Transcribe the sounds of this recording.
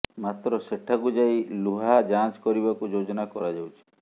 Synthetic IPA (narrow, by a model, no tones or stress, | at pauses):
mat̪ɾɔseʈʰaɡud͡ʒajluɦad͡ʒãt͡ʃkɔɾibakud͡ʒod͡ʒɔnakɔɾad͡ʒawt͡ʃʰi̥